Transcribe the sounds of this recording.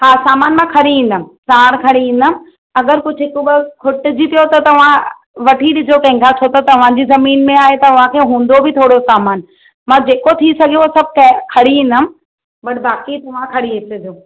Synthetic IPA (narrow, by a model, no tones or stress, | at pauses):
haːsaːmaːnmãkʰɐɽiĩːn̆d̪əmɪ̆saːɽ̃kʰɐɽiĩːn̆d̪əmɪ̆ | ɐɡəɾkʊd͡ʑʱɦɪkʊbkʰʊʈɪd͡ʑit̪ʰijot̪ɐt̪ɐʋ̤ã | ʋɐʈʰiɗɪzokɐ̃ɦɪ̃ŋɡat͡ɕʰot̪ot̪ɐʋ̤ãːd͡ʑiːzɐmiːnmẽaːɦet̪ɐʊʋ̤ãkʰeːɦũːn̆d̪obɪt̪ʰoːɽosaːmaːn | mãd͡ʑeːkot̪ʰisɐɡʱijoosɐb̚ʱkɐ̃kʰɐɽiɦĩːnd̪əmɪ̆ | bɐʈbaːkit̪ɐʋ̤ãkʰɐɽiɦesed̪ijoː